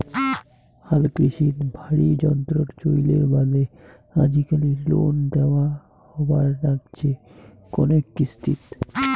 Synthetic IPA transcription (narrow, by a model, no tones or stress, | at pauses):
halkɾiʃit̪bʱaɽid͡ʑɔnt̪ɾoɾt͡ɕojleɾbad̪e | ad͡ʑikalilo̰nd̪eoa | hɔbaɾːaɡt͡ɕʰe | kɔ̰nekːist̪ʰḭt̪